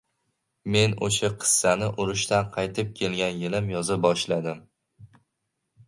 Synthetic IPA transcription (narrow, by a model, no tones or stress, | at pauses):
me̞noʃaqʰɨ̥sːanɪʔʊɾɪʃt̪anqʰɑjt̪ʰɪp̚kʲʰe̞lɡʲanjɪlɪmjɒzɪbɒʃlad̪ɪm